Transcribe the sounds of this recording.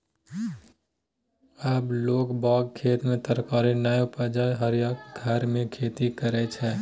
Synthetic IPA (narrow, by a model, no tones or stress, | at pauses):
əbloːɡbɔːɡkʰeːt̪mẽt̪əɾkaːɾinaːjopad͡ʒaːeɦəɾjaːkɡʱəɾmẽkʰeːt̪ikəɾɛt͡ʃʰɛː